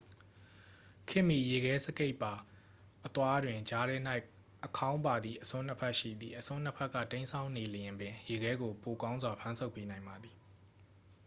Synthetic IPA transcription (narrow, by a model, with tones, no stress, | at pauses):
kʰɪ̃˦˨mi˦˨je˨ɡɛ˨˦sə˦ke˦ɪpa˨ | ʔət̪wa˦dwɪ̃˨ɲd͡ʑa˦ɾɛ˦n̥a˦ɪ | ʔəkʰã˦ʊ̃mpa˨d̪ði˨ʔəsʊ̃˦n̥ə˦pʰɛ˦ʔʃḭ˦˨d̪ði˨ʔəsʰʊ̃˦n̥ə˦pʰɛ˦ʔkːä̰˦˨tẽ˦ɪ̃nsʰã˨ʊ̃ne˨ləjɪ̃˨mbɪ̃˨je˨ɡɛ˦ɡo˨po˨kã˦ʊ̃nzwa˨pʰã˦nsʰo˦ʊpːe˦nã˨ɪ̃mba˨d̪i˨